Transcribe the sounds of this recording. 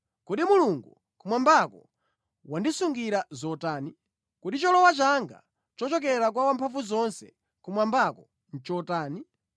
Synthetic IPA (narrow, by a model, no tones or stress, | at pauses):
kuɗimuluŋɡu | kumwambakɔ̰ | wandisuŋɡiɾazɔtaːni | kuɗit͡ʃɔlɔwat͡ʃaŋɡa̰ | t͡ʃɔt͡ʃɔk̬ɛɾak̬wawampʰaɱfuzɔnsɛ̰ | kumwambakɔ | n̩t͡ʃɔtaːni